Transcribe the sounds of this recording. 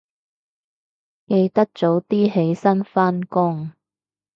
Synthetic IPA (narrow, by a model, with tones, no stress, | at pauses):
ke˧jt̪ɐ˥k̚t͡so˨˥wt̪iː˥ɦe˨˥jsɐ˥nfaː˥nkʊ˥ŋ